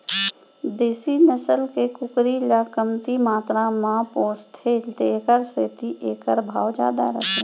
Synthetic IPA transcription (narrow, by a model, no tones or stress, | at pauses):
d̪eːsinəsəlkekʊkɾilakəmt̪imaːt̪ɾãmãpoːst̪ʰelt̪eːkəɾseːt̪iʔeːkəɾbʱa̰ːwd͡ʒa̰ːd̪a̰ɾə̰t̪e